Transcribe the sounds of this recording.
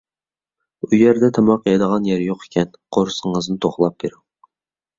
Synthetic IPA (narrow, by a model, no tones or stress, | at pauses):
ujɛɾd̪ɛt̪ʰɛmɑqjɑd̪əʁɑnjɛɾjoqʰe̥kʲʰɛnqʰoɾsəŋəznɨt̪ʰoχlˠɑp̚b̥eɾuŋ